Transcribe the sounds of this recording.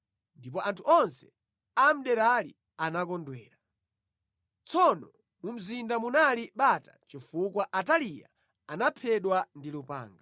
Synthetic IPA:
ndipɔʔantʰuɔnsɛ̥ | am̩ɗɛɾalḭ | anakɔndwɛ̰ːɾa | t͡sɔnɔ | mum̩zindamunaliɓatat͡ʃifukwaʔatalija̰ | anapʰɛɗwandilupa̰ːŋɡa

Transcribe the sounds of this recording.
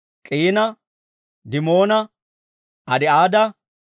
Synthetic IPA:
kʼiːnɐ | d̪ɪmoːnɐ | ʔɐd̪ɛaːd̪ɐ

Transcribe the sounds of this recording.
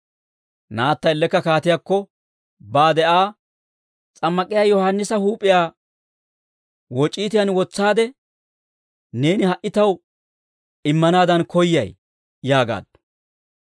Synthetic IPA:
naːt̪ːɐɪlːɛkːɐkaːt̪ɪjakːɔ | baːd̪ɛʔaː | t͡sʼɐmːɐkʼɪjaːjɔhɐnːɪsɐhuːpʼːɪjaː | wɔt͡ʃʼːiːt̪ɪjɐnwɔt͡sːaːd̪ɛ | ne̞ːnɪhɐʔɪt̪ɐw | ɪmːɐnaːd̪ɐnkɔjːɐ̰j | jaːɡa̰ːd̪

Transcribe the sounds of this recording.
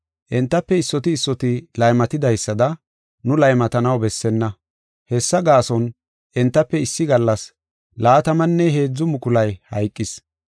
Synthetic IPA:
ʔɛnt̪ːɐpːɛɪsːɔt̪ɪːsːɔt̪ɪlɐjmɐt̪ɪd̪ɐjsːɐd̪ɐ | nʊlɐjmɐt̪ɐnɐwbɛsːɛnːɐ | hɛsːɐɡaːsɔn | ʔɛnt̪ːɐpːɛɪsːɪɡɐlːɐs | laːt̪ɐmɐnːɛɦe̞ːd͡zːʊmʊkʊlɐjhɐjkʼːɪs

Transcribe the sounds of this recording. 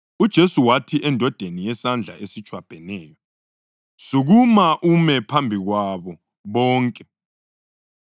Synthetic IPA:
ud̥ʒ̥ʱesuwatʰiʔɛndʱɔd̥ʱenijɛsand͡ɮʱa̰ʔesit͡ʃʰʼwab̥ʱɛnɛːjɔ | suɣumaʔumɛpʰambʱiɣwaβɔ | βɔːŋkʼɛ

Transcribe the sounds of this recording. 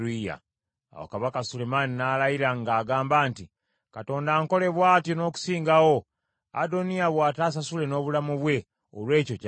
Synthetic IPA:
ija̰ | a̰wa̰kaβakasule̞maninaːlajiɾaŋɡaːɡaːmbaːnti | kato̞ːndaːŋko̞le̞βwaːtjono̞ːku̥siːŋɡawo̞ | a̰do̞niaβwaːtaːs̬asule̞no̞ːβulamuβwe̞ | o̰lwe̞ːcoc

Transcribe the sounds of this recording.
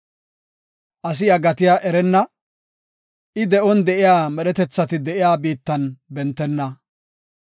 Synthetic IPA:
ʔɐs̬ɪɐɡɐt̪ɪjaʔɛɾɛnːɐ | ʔɪd̪ɛʔɔnd̪ɛʔɪjaːmɛɗɛt̪ɛt͡sːɐt̪ɪd̪ɛʔɪjaːbiːt̪ːɐnbɛnt̪ːɛnːɐ

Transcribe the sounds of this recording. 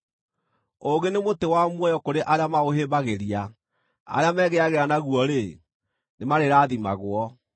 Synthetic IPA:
oɡenemotewamwɔjɔkoɾeʔaɾeamaɣoɦeːbaɣeɾia | a̰ɾeamɛːɣeaɣeɾanaɣuɔɾe | nemaɾeɾaːðima̰ɣwɔ

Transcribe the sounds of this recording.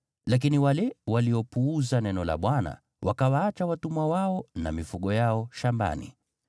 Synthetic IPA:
lak̬iniwalɛwaliɔpuuzanɛnɔla̰ɓwana̰ | wʔakawaːt͡ʃawatumwawaɔna̰mifuɠɔjaɔʃamba̰nḭ

